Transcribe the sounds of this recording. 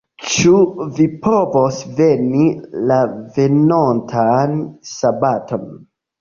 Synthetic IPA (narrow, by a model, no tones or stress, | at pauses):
t͡ʃuvipovosvenilave̞nontʰansabatʰon